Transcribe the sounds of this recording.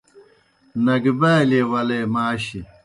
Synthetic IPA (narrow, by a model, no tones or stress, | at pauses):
nɐɡbaːlewɐlemaːɕi